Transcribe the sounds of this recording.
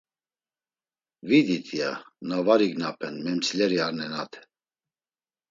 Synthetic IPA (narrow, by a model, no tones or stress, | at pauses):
vid̪it̪ʰianavaɾiɡnapʰɛnmɛmt͡sʰilɛɾiaɾnɛnat̪ʰɛ̥